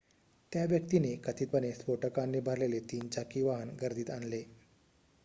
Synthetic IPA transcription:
t̪jaʋjəkt̪inekət̪iːt̪pənespoʈəkanːiːbʱaɾlelet̪iːnt͡ɕakiʋaɦənɡəɾd̪ʱiːt̪anle

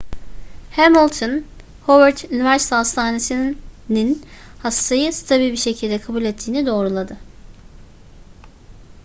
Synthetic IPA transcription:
hæmɔlˠt̪ʰɯn | hovaɾt̪ʰynivæɾsi̥t̪ʰɛɦast̪ʰaːnesininhast̪ʰajɯst̪ʰabilʲbiʃe̞cʰilʲd̪ɛkʰabulʲɛt̪ʰːiːnid̪o̞ːɾulˠad̪ɯ

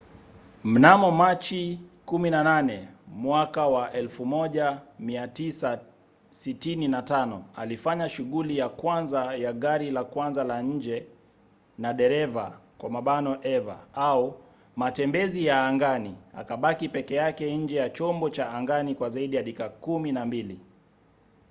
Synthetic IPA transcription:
m̩namɔmat͡ʃikuminananɛmwakawaʔɛlfumɔʄamiatisa | sitininatanɔalifaɲaʃuɠulijakwanzajaɠaɾilakwanzalaɲ̩d͡ʒɛ | naɗɛɾɛvakwamaɓanɔʔɛva̰au | matɛmbɛzijaːŋɡania̰kaɓakipɛkɛjakɛɲ̩d͡ʒɛjat͡ʃɔmbɔt͡ʃaːŋɡanikwazaiɗijaɗikakuminambili

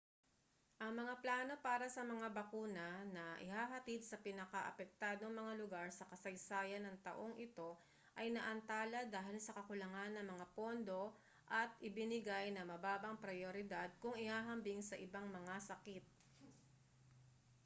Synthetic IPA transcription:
ʔɐŋmɐŋaplaːno̞paːɾɐsɐmɐŋabɐkuːnɐnɐʔɪ̰haːɦɐt̪id̪̚sɐpɪnɐkaʔɐ̰pɛk̚t̪aːd̪oŋmɐŋalʊɡaɹsɐkɐsɐjsaːjɐnːɐŋt̪ɐ̰ʔo̞ŋʔɪt̪o̞ | ʔɐjnɐʔɐnt̪aːlɐd̪aːɦɪlsɐkɐkʊlɐŋanːɐŋmɐŋapo̞nd̪o̞ | ʔɐt̪̚ʔɪbɪnɪɡajnɐmɐbaːbɐŋpɾɐjoɾɪd̪ad̪̚kʊŋɪhaːɦɐmbiŋsɐʔɪbaŋmɐŋasɐkit̪̚

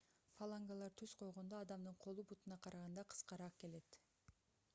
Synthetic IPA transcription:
falˠaŋɡalˠɑɾt̪ʰyz̥qʰo̞jʁo̞nd̪oɑd̪ɑmd̪ɯɴqʰo̞lˠubut̪unɑqʰɑɾɑʁɑnd̪ɑqʰɯ̥sqɑɾɑqke̞le̞t̪

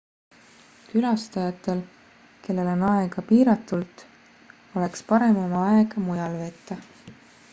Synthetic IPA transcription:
kylɑst̪ɑjɑt̪ːˑe̞l | ke̞lːe̞lo̞nɑeɡ̥ɑpiːɾɑt̪ːˑult̪ | o̞le̞kspɑɾe̞mɑmɑeɡ̥ɑmujɑlve̞ːt̪ːˑɑ

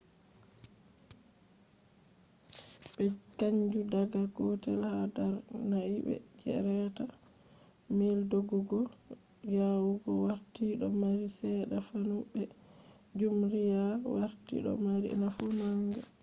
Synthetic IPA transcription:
ɓɛkaɲd͡ʒudaɡaɡɔtɛlhadaɾnaiɓɛ̰d͡ʒɛ̰ɾɛta | meldoɡɔɡɔ | jawuɡɔwaɾtiɗɔmaɾisɛɗafanuɓɛ | d͡ʒumɾijawaɾtḭɗɔ̰maɾḭnafunaŋɡɛ̰

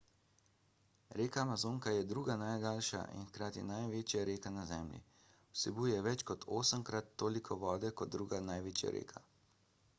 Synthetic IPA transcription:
ɾeːkaːmazoːŋkajɛd̪ɾuːɡanajd̪aːlʃa̰ʔḭnxkɾaːt̪ḭnajʋeːt͡ʃjaɾeːkanazɛːmlḭ | wsɛbuːjɛʋɛt͡ʃkɔt̪ʰoːsəmkɾat̪ːoːlikʰɔʋɔːd̪ɛkɔd̪̚d̪ːɾuːɡanajʋeːt͡ʃja̰ɾḛːkʰa

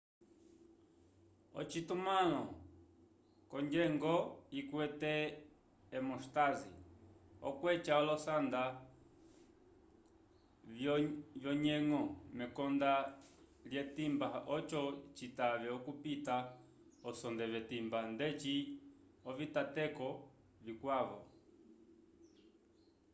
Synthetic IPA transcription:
ɔ̰t͡ʃitumalɔ | kɔɲd͡ʒɛŋɡɔikwɛtɛː | mɔʃtazḭɔkwɛt͡ʃaɔlɔsand̪a | vjɔɲɛŋɔmɛkɔndaljɛtimbaɔt͡ʃɔt͡ʃitavɛɔkupita | ɔsɔndɛvɛtimbandɛt͡ʃi | ɔvitatɛkɔ | vikwaβɔ

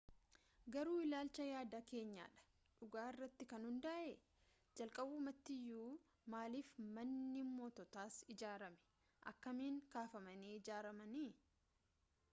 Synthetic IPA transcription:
ɡɐɾuːɪlaːlt͡ʃɐjaːd̪ake̞ːɲːa̰ːᶑɐ̥ | ᶑʊɡaːɪrːɐt̪ːɪkɐnhʊnd̪ɐʔe | d͡ʒɐlkʼɐbuːmɐt̪ːɪjːuː | maːliːfmɐnːimːoːt̪ɔt̪aːsɪd͡ʒaːɾɐmɛ̥ | ʔɐ̰kːɐmiːŋkaːfɐmɐniːɪd͡ʒaːɾɐmɐniː

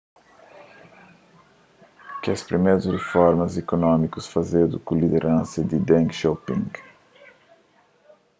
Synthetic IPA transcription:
kɛspɾimejɾʊsrefɔɾmɐzekonɔ̃mikʊsfazed̪ʊkʊ̃lid̪eɾʔɐ̃sɐd̪ɪd̪ɛ̃ŋkʃopĩŋɡ

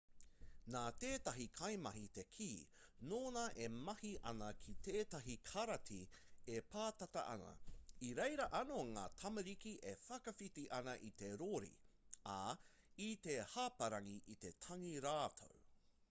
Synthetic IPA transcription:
naːt̪eːtɐɦikʰɐjmɐɦite̞kʰiː | noːnɐʔemɐhiʔɐ̰nɐkʰiteːtɐɦikʰɐɾɐtʰiepaːt̪ɐtɐ̰ʔɐ̰nɐ̰iɾejɾɐʔɐnoŋa̰ːt̪ʰɐmɐɾikiʔefɐkɐfitiʔɐnɐʔit̪e̞ɾoɾḭa̰ | it̪e̞hapɐɾɐŋiʔit̪e̞tʰɐŋiɾaːtʰo̰w

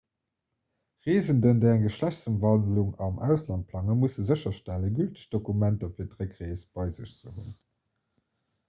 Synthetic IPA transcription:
ʁeːzəndəndeɪæŋɡəʃlæɕt͡səmvɑldluŋɑmʔæ̰ʊslɑnt̚pʰlɑŋəmusəzəɕɐʃtæləɡyltə̥ɕd̥okumæntɐfiːɐdʁəkʁeːsb̥ɑɪzəɕt͡səɦun

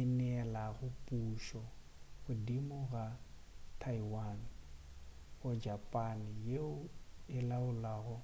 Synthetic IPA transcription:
ɪnɛlaɣʊpʼuʃɔɣʊdimʊɣa | tʰaiwan | ɣʊd͡ʒapʼanɪjeʊɪlaʊlaɣʊ

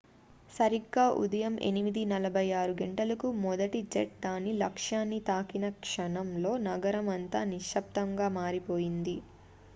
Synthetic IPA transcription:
sɐɾiɡːaːʔṵd̪ɐjɐmʔḛnimid̪inɐlɐbʱɐjaːɾuɡeɳʈɐlɐkumɔd̪ɐʈid͡ʒeʈ̚d̪aːnilɐkʂaːnːit̪aːkinɐkʂɐnɐmlo̞ːnɐɡɐɾɐmɐnt̪aːniʂɐp̚t̪ɐŋɡaːmaːɾipo̞ːjind̪i

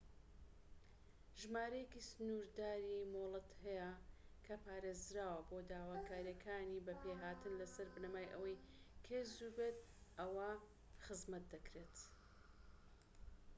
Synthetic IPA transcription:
ʒmaːɾɐjekisɨnuɾd̪aːɾimolˠɨt̪hɛjɐkʰɐpaːɾeːzɾaːwɐboːd̪aːwaːkʰaːɾijɐkʰaːniːbɐpeɦaːt̪ɨnlɐsɐɾbɨnɐmaːjʔɐ̰wɐjkʰezubet̪ | ʔɐwɐ | xɨzmɐt̪̚d̪ɐkɾeːt̪

